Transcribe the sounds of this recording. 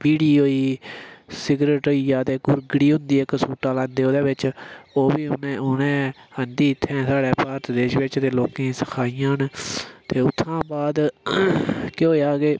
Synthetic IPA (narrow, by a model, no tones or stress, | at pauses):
piːɽiːɦoːiː | sɪɡɾeːʈoːiːaːt̪eːkʊɾɡɽiːɦʊ̃nd̪iːɪksuːʈaːlãːnd̪eːoːd̪eːʋɪt͡ʃoːʋiːʊneːʊnẽːənd̪iːɪt̪ʰːɛ̃ːsaːɽɛːpaːɾt̪d̪eːʃʋɪt͡ʃt̪eːloːkẽːsə̥kʰaːijãːɦənt̪eːʊt̪ʰːãːbaːd̪ | keɦoːaːɡeː